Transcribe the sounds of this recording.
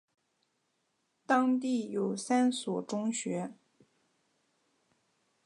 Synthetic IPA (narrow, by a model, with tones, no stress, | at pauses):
t̪ɑ˥ŋt̪̬i˥˩jo˨˩ʊsa˥nswɔ˨˩ʈ͡ʂʊ˥ŋɕɥɛ˧˥